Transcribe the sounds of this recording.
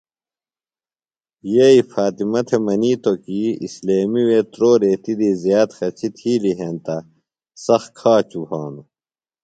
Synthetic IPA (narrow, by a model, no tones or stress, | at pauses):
jeifaːt̪imɐt̪ʰemɐniːt̪okiḭsleːmiweːt̪ɾoːɾeːt̪id̪iːzjaːt̪xɐt͡ɕʰit̪ʰiːliɦeːnt̪ɐ | sɐxkʰaːt͡ɕupaːnu